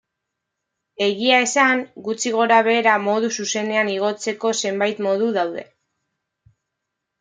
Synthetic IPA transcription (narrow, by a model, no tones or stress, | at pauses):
e̞ɣiae̞saŋɡut͡siɣ̞o̞ɾaβe̞ːɾamo̞ðususe̞ne̞aniɣ̞o̞t͡se̞ko̞se̞mbajt̪mo̞ð̞uðawð̞e̞̰